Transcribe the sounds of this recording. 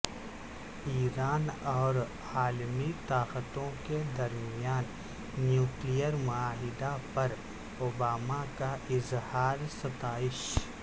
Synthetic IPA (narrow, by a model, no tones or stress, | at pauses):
iːɾaːnɔːɾ | aːlmit̪aːqət̪õked̪ɐɾmɪjaːnː | juːklijəɾmʊaːɦɪd̪apɐɾ | obaːmakaʔɪzhaːɾsɐt̪aːɪʃ